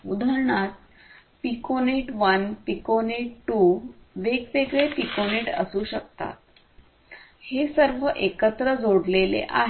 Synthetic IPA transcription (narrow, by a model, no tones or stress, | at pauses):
ud̪ʱəɾɳat̪̚ | pikoneʈʋənpikoneʈʈuʋeɡʋeɡɭepikoneʈə̰suːɕək̚t̪a̰t̪̚ | hesəɾʋəʔekət̪ɾəd͡zoɽlelḛʔa̰ɦ